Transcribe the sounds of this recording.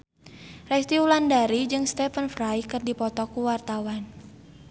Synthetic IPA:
rɛst̪iulandaɾid͡ʒɨŋst̪ɛfənfrajkɨrdipɔt̪ɔkuwart̪awan

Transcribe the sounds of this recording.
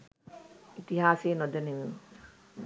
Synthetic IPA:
it̪iɦaːseːnod̪ənemeʋ

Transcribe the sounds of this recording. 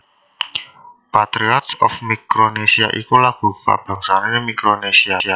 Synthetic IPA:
pat̪ɾiɔt̪sɔ̰fmikɾonesiaʔikulaɡ̥ufa̰b̥a̤ŋsanenmikɾonesiaia

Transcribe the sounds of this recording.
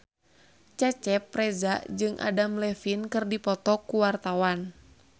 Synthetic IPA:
t͡ʃɛt͡ʃɛpːɾɛzaʔd͡ʒɨŋʔa̰damlɛfinkɨrdipɔt̪ɔkuwart̪awan

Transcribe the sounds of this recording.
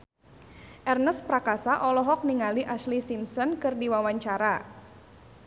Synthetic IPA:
ʔɛrnəspɾakasaʔɔlɔɦɔk̚niŋaliʔaslisimsɔnkɨrdiwawaɲt͡ʃaɾa

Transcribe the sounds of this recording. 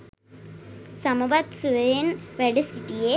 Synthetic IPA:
sɐmuʋɐt̪suʋenʋeɭisiʈːije

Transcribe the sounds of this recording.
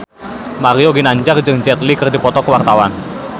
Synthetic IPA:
maɾioɡinaɲd͡ʒard͡ʒɨŋd͡ʒɛt̪likɨrdipɔt̪ɔkəwart̪awan

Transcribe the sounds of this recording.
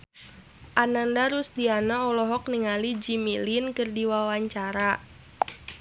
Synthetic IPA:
ʔanandaɾust̪ianaɔlɔɦɔk̚niŋalid͡ʒimilinkɨrdiwawaɲt͡ʃaɾa

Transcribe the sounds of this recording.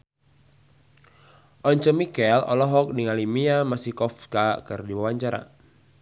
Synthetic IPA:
ʔɔɲt͡ʃəmikɛlɔ̰lɔɦɔk̚niŋalimiamasikɔfkakɨrdiwawaɲt͡ʃaɾa̰

